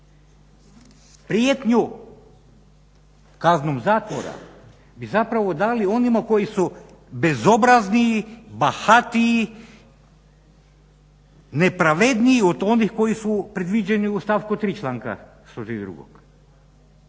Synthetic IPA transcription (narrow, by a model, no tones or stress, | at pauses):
pɾijet̪ɲu | kaznomzaːt̪ʋo̰ɾa̰ | bizapɾaʋo̞d̪alio̞nimako̞jisu | be̞zo̞bɾazniːbahat̪ii | ne̞pɾaʋe̞d̪niːod̪o̞nixko̞jisupɾe̞d̪ʋid͡ʑeniust̪aːfkut̪ɾiːt͡ʃlˠaːŋka̰ | ʃt̪oʒid̪ɾṵɡo̰k